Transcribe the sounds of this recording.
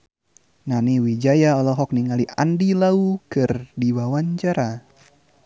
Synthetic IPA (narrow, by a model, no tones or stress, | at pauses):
naniwid͡ʒajaɔlɔɦɔk̚niŋaliʔandilaukɨrdiwawaɲt͡ʃaɾa